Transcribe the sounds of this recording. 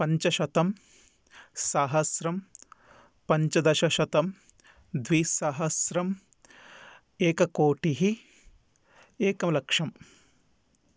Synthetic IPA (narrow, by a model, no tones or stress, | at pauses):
pɐɲt͡ʃɐʃɐt̪ɐm | saːɦɐsɾɐm | pɐɲt͡ʃɐd̪ɐʃɐʃɐt̪ɐm | d̪ʋiːsaːɦɐsɾɐm | eːkɐkoːʈiɦi | eːkɐmlɐkʂɐm